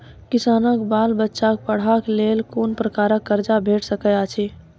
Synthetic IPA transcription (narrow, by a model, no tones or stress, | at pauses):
kɪsaːnəkbaːlbətːʃak̚pəɽ̤aklelkoːnpɾəkaːɾəkːəɾd͡ʒabʱeʈʰsəkəat͡ʃʰi